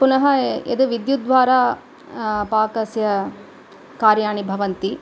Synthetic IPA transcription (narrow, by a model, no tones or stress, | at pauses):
punɐɦɐḛd̪uʋid̪jud̪ʋaːɾaː | paːkɐsjɐ | kaːɾjaːɳibʱɐʋɐnt̪i